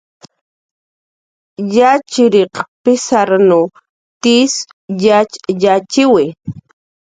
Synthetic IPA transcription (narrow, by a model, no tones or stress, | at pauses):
jat͡ʃɪɾeqpɪsaɾnu | t̪is | jat͡ʃjat͡ʃɪwɪ